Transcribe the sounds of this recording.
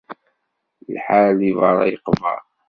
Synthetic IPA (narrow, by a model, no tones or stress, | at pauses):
lħalivɑɾˤɑ̰jəqvɑ̰ɾˤ